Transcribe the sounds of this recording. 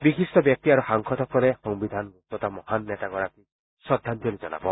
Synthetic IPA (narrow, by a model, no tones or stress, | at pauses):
biɦisʈɔbjɔk̚t̪iaɾuhaŋkʰɔt̪ʰɔkɔɾehɔŋbid̪ʱanɾut̪ɔt̪amɔhanːet̪aɡɔɾak̪i | sɔd̪ʱːant̪jɔlid͡ʒɔna̰bɔ